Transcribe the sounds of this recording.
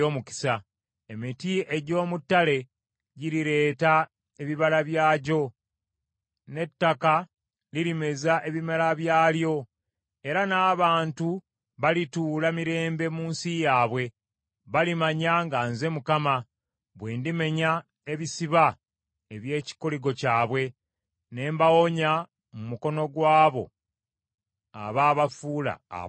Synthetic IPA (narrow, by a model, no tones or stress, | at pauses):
oːmuki̥sa | emitie̞ɟo̞ːmutːale̞ | ɟiɾiɾe̞ːta | e̞βiβalaβjaːɟo̞ | ne̞tːaka | liɾime̞zaʔe̞βimalaβjaːljo̞ | eɾanaːβaːntu | βalituːlamiɾe̞ːmbe̞muːnsijaːβwe̞ | βalimaɲaŋɡaːnze̞mukama | βweːndime̞ɲa | eβisiβa | eβje̞ːci̥koliɡo̞caːβwe̞ | ne̞ːmbawo̞ɲa | mumuko̞no̞ɡwaːβo̞̰ | a̰βaːβafuːla̰